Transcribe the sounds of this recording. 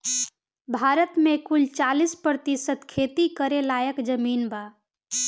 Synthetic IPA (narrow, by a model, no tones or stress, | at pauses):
bʱaɾət̪mekult͡ʃalispɾət̪isət̪kʰet̪ikəɾelajəkd͡ʒəminba